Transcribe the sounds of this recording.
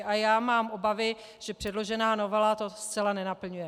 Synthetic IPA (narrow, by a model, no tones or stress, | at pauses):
ʔajaːmaːmʔo̞bavɪ | ʒ̥ɛpr̝̥ɛdlo̞ʒɛnaːno̞vɛlat̪o̞st͡sɛlanɛnapl̩ɲujɛ